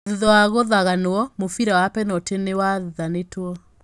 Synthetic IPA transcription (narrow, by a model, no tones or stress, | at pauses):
ðiðɔwaɣoðaɣanoɔmofiɾawapɛnɔtenewaðiðanetwɔ